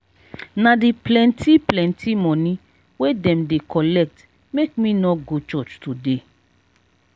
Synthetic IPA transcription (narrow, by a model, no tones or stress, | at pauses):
nãdiplɛ̃ntʰiplɛ̃ntʰimɔ̃nĩ | wedɛ̃mdekɔlɛk̚t | mekmĩnɔɡot͡ʃɔt͡ʃtude